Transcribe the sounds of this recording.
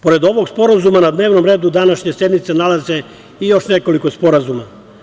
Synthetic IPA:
po̞ɾe̞d̪o̞ʋo̞ɡspo̞ɾazumanad̪ne̞ːʋno̞mɾeːd̪ud̪anaʃɲe̞se̞d̪mit̪senalazze | ijo̞ʃneko̞likospo̞ɾazuma

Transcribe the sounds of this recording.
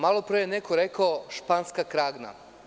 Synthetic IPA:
malˠopɾejenekoɾekaoʃpanskakɾaːɡna̰

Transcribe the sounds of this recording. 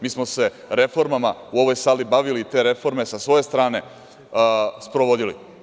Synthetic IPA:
miːsmose̞ | ɾe̞fo̞ɾmamauo̞ʋo̞jsaːlibaʋilit̪e̞ːɾe̞fo̞ɾme̞sasʋo̞je̞st̪ɾaːne̞ | spɾo̞ʋo̞d̪ilḭ

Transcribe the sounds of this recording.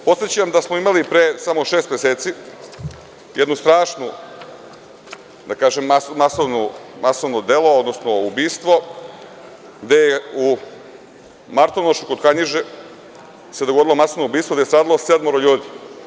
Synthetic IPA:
po̞t̪jet͡ɕeamd̪asmoimalipɾesamo̞ʃeːst̪mjeseːt̪si | jed̪nust̪ɾaːʃnu | d̪akaːʒemasmasoʋnomasoʋnod̪elood̪nosnoubiːst̪ʋo̞ | ɡd̪e̞jeu | maɾt̪onoʃukod̪kaɲiʒe | se̞d̪oɡod̪ilo̞masoʋnoubiːst̪ʋod̪est̪ɾaːd̪alˠosed̪moɾoʎuːd̪i

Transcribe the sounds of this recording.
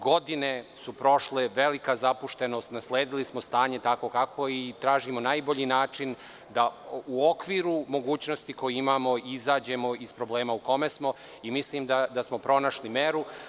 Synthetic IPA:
ɡo̞d̪ine̞supɾo̞ʃleʋe̞likazapuʃt̪e̞no̞ːst̪nasleːd̪ilismost̪aːɲe̞t̪ako̞kakʰo̞it̪ɾaːʒimo̞najboʎinaːt͡ʂin | d̪auokʋiːɾumo̞ɡuːt͡ɕnost̪iko̞jiimaːmo̞izaːd͡ʑe̞mo̞ispɾo̞bleːmauko̞mesmo̞ | imisliːmd̪ad̪asmo̞pɾo̞naʃlimeɾu

